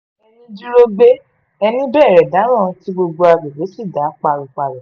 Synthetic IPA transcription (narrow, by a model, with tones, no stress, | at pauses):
ɛ˧nĩ˦d͡ʒu˦ɾo˦be˦ | ɛ˧nĩ˦bɛː˦˨ɾɛ˨da˨˦ɾ̃ã˦˨ti˦ɡ͡bo˧ɡ͡bo˧a˧be˨be˨˦si˦˨da˨˦k͡pa˧ɾu˧k͡pa˨lɔ˨